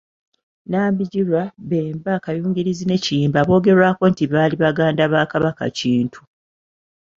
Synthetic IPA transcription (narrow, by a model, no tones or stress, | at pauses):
naːmbiɟilwaβeːmbaːkajuːŋɡiɾizine̞ciiːmbaβo̞ːɡe̞ɾwaːko̞ntiβaːliβaɡaːndaβaːkaβaka̰ciːntʰu̥